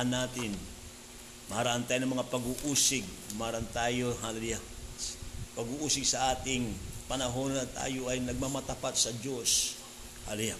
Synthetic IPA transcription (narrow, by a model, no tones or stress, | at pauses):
anːaːt̪ɪn | mɐhaɾaʔɐnt̪aːjoɐmɐŋapɐɡuʔuːsɪɡ̚ | mɐaɾant̪aːjoɦalɛluja | pɐɡuːʔuːsɪɡsɐʔaːt̪ɪŋpɐnɐɦo̞nnɐt̪a̰ːjo̞ʔɐjnɐɡ̚mamɐt̪apat̪̚sɐd͡ʒo̞s | ha̰luja